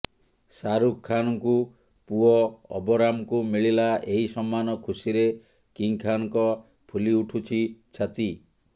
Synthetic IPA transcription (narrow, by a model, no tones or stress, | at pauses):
saɾukʰːanɔku | puɔɔ̰bɔɾamɔkumiɭilaeɦisɔmːanɔkʰusiɾe | kiŋkʰanɔŋkɔ | pʰuliuʈʰut͡ʃʰit͡ʃʰat̪i